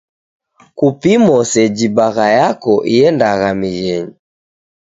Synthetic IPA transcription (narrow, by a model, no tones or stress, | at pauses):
kupimɔsɛd͡ʒibaɣajakɔʔiɛndaɣamiɣɛɲi